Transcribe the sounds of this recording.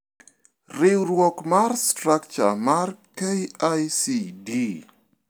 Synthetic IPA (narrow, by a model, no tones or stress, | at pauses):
rɪwɾwɔkmarstɾak̚t͡ʃa̰markejajsidi